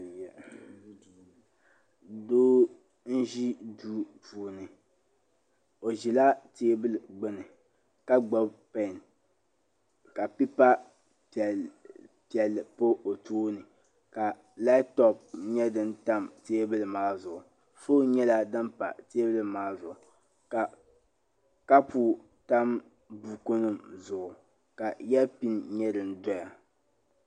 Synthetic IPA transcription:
jɛ˨ | doː˦ | n̩˦ʒi˦duː˦puː˨nɨ˨ | o˨ʒi˨la˦teː˦bɨ˦lɨ˨ɡ͡bɨ˦nɨ˨ | ka˦ɡ͡bɔ˦bpɛ˦˨n | ka˨pi˦pa˦˨ | pi˨ɛ˨lːɨ˨po˦o˨tʰuː˦nɨ˨ | ka˨ | la˦tɔ˦p̚ɲɛ˦dɨ˦nta˦mteː˦bɨ˦lɨ˨maː˦zʊ˨ʔʊ˨ | fo˦ɲɛ˦la˦dɨ˦mpa̰˨teː˦bɨ˦lɨ˦maː˦zʊ˨ʔʊ˨ | ka˨ | ka˦puː˦ | ta˦m | bu˨ko˦nɨ˦mzʊ˨ʊ˨ | ka˨jɛ˦pi˦nɲɛ˦dɨ˨n˦dɔ˦ja˨

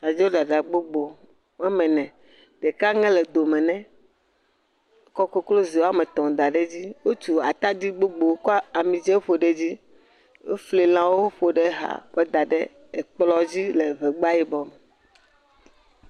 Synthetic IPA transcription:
a˨d͡ʒɛ˦wo˦ɖa˨ɖa˨ɡ͡bo˦ɡ͡bo˨ | ɛ˦mɛ̃˨nɛ̃˨ | ɖ̥ɛ˨ka˦ŋɛ̃˦lɛ˨d̪o˨mɛ̃˨nɛ̃˦ | kɔ˦ko˦klo˦zi˨wo˦a˦mɛ̃˨t̪ɔ̃˨d̪a˨ɖe˦d͡ʑi˦wo˦t͡ʃu˨a˨t̪a˦d̪i˦ɡ͡bo˦ɡ͡bo˨˦kɔ˦a˨mĩ˨d͡ʒɛ˦ɸo˨ɖe˦d͡ʑi˦ | e˦fli˨l̃ã˨wo˦ɸo˨ɖe˦ɦa̰˨ɸɛ˦d̪a˨ɖe˦ | e˨k͡plɔ˦d͡ʑi˦le˨vɛ˨ɡ͡ba˦ji˦bɔ˨me˨

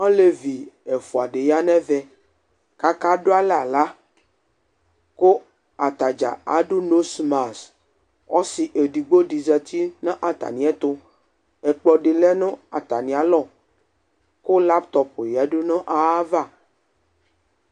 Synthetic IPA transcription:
ɔ̃˦le˦vi˨e˨fu˨a˨ɖe˨ja˦nɛ̃˦vɛ˦ | ka˦ka˦ɖo˦a˦lɛ˦a˨la˦ | ko˦ | a˨t̪a˨d͡ʒa̰˨a̰˨ɖu˦no˦sma˨s | wɔ˦si˨ʔe˨ɖi˨ɡ͡bo˦ɖi˨zɛ˨t̪ʰi˦nã˦ʔa˨t̪a̰˨nĩ˨˦ɛ˦t̪o˦ | ɛ˨k͡pɔ˨ɖe˨lɛ˦nɔ̃˦a̰˨t̪a˨nĩ˨a˨lɔ˦˨ | ko˦la˦pt̪ɔ˨po˨ja˨ɖo˦nɔ̃˦ʔa˨a˦va˦˨

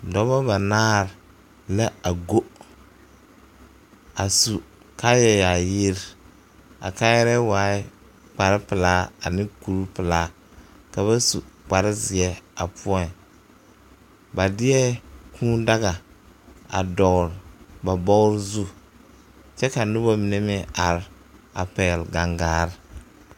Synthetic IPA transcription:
dɔ˨ba˦ba˨naː˦ɾ | la˦a˨ɡo˦ | a˨su˨ | ka˦jɛ˦ja˨jɪ˦ɾ | a̰˨kaː˦jɛ˦ɾɛ˦waː˨˦ɪ˦ | k͡pa˨ɾɪ˦pɪ˨laː˦a˨nɪ̃˦ku˨ɾu˦pɪ˨laː˦ | ka˨βa˦su˨k͡pa˨ɾɪ˦zɪ˨ɛ˦a˨pʰʊ˦ɔ˦˨n˨ | ba˨dɪ˦ɛ˦kʰũː˦da˦ɣa˨ | a̰˨dɔ˨ɣɾba˨bɔ˦ɣɾzu˦ | t͡ʃɛ˦ka˨nʊ˦ba˦mi˨ne˦mɪ̃˦a˨ɾ | a̰˨pɛ˨lɡa˨ŋɡaː˨˦ɾɪ˦

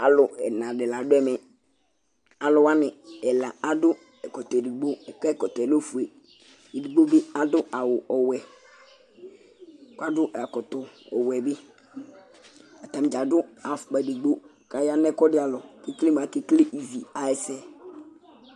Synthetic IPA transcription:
a˨lʊ˨ɛ˨nã˨dɪ˨la˨dʊ˦ɛ˦mɪ˨ | a˨lʊ˨wa˦nɪ˨ɛ˨la˨a˦dʊ˦ | ɛ˨kɔ˨tɔ˨e˨di˨ɡ͡bo˦˨kɛ˦kɔ˨tɔ˨ɛ˨lo˦fu˨e˨ | i˨di˨ɡ͡bo˦bɪ˦a˨dʊ˦ʔa˨wʊ˨ʔɔ˨wɛ˨ | ka˦dʊ˦ʔa˨kɔ˨tɔ˨ɔ̰˨wɛ˨bɪ˦ | a˨ta˨m˨d͡ʒa˨dʊ˦a˨fk͡pa˨di˨ɡ͡bo˦ | ka˨ja˦nɛ˦kɔ˦dɪ˦a˨lɔ˨ki˦kli˦m˨a˨kɪ˦klɪ˦ʔi˨vi˨a˨ɛ˨sɛ˦

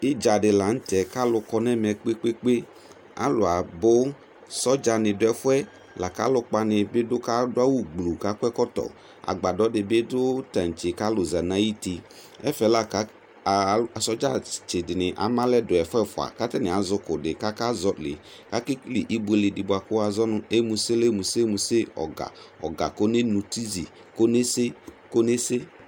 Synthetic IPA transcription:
ɪ˦d͡ʒa˨dɪ˨la˨n̩˦tɛ˨ka˦lʊ˨kɔ˦nɛ˦m˨ɛ˨k͡pe˦k͡pe˦k͡pe˦ | a̰˦lʊ˨a˨bʊ˦ | sɔ˦d͡ʒa˨nɪ̃˨dʊ˦ɛ˨fʊ˦ɛ˦ | la˨ka˦lʊ˦k͡pa˨nɪ˨bɪ˦dʊ˦ka˦dʊ˦a˦wu˦ɡ͡blu˨ka˦kɛ˦kɔ˦t̪ɔ̰˨ | a̰˨ɡ͡ba˨dɔ˦dɪ˨bɪ˦dʊ˦ta˨n̩˨t͡ʃɪ˨ka˦lʊ˨za˨nã˨˦ji˦t̪i˨ | ɛ˦fɛ˨˦la˦ka˦˨ | a˨sɔ˦d͡ʒa̰˦˨t͡ʃɪ˨dɪ˨nɪ˨ʔa̰˨mã˦lɛ˦dʊ˨ɛ˨fɛ˦fʊ˨a̰˨ka˦tɛ˦nɪ˨a˨zʊ˦kʊ˨dɪ˨ka˦ka˦zɔ˨˦lɪ̰˨ | ka˦kɪ˦klɪ˨ʔi˦bu˦e˨lɪ˨dɪ˨ba˨kʊ˦a˨zɔ˦nʊ˦e˦mu˨se˦le˦mu˨se˦mu˨sɪ˦ɔ̰˨ɡa̰˨ɔ̰˨ɡa̰˨ko˦ne˦nu˨ti˦zḭ˨ | ko˦ne˦se˦ko˦ne˦se˦

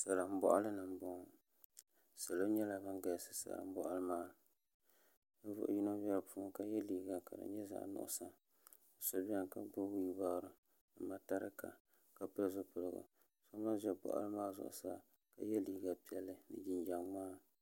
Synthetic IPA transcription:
sa˨la˨m̩˦bɔ̰˦ʔa˦lɨ˦nɨ˨m˦bɔ˦ŋ˨ | sa˨lo˦ɲɛ˦la˨bɨ˦ŋɡa˨jsɨ̥˦sa̰˨la̰˨m̩˦bɔ˦ʔa˦lɨ˦maː˦ | n̩˦vʊ̰˦ʔji˦no˦bɛ˦lpuː˦ŋka˦jɛ˦liː˦ɡa˨ka̰˨dɨ̰˨ɲɛ˦za̰˨ʔnʊ̰˨ʔʊ̰˨sa˦˨ | so˨bi˦ɛ˦˨ŋka˦ɡ͡bo˦wi˦baː˦˨ɾɨ˨ | nɨ˨ma˨ta˦ɾɨ̰˦ka̰˨ | ka˨pɨ˦ɾzʊ˦pɨ˨ɾɨ˨ɡa̰˨ | so˦ma˦ʒɛ˦bɔ̰˨ʔlɨ˦maː˦zʊ̰˨ʔʊ̰˨sa˦ | ka̰˨jɛ˦liː˦ɡa˨pi˦ɛ˨lːɨ˦nɨ̰˨d͡ʒi˦nd͡ʒa˨ŋ͡maː˦

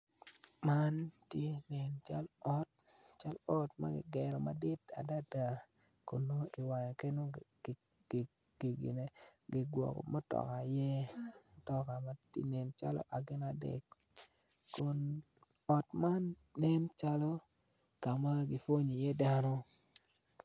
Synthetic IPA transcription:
ma˦ntje˦nɛ˨nt͡ʃa̰˦lɔ˦t̚ | t͡ʃa˦lɔ˦tma̰˦ɡɪ̰˨ɡɛ˨ɾɔ˨ma˨dɪ˦ta̰˨da˦da˨ | ko˨no˦i˨wa˨ɲɔ˨ke˦no̥˦˨ | ɡ | ɡ̥i˨ɡɪ̰˨ne˨ɡɪ˨ɡwɔ̰˨kɔ̰˨mɔ˦tɔ̰˨ka˨jɛ˦˨tɔ˨ka˨ma˦tḭ˦nɛ˨nt͡ʃa̰˦lɔ̰˦ʔa˨ɡɪ˦na˦dɛ̰˨kː | o˨n | ɔ˨tma˦nː | ɛ˦nt͡ʃa˦lɔ˦ | ka˨ma˦ɡɪ˨fo˦ɲi˨jɛ˦da˦nɔ˦

